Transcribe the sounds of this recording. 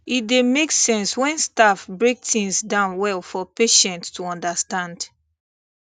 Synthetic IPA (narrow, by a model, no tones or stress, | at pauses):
it̚demeksɛ̃nswɛ̃nstafbɹek̚tĩŋsdãʊ̃nwɛlfɔpeʃɛ̃ntstuɔ̃ndastãnd